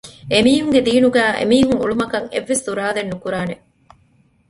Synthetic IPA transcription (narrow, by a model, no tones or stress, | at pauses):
emiːɦuŋɡed̪iːnuɡæːʔḛmiːɦuŋṵɭumɐkɐŋḛʋːesd̪uɾaːlenːukuɾaːne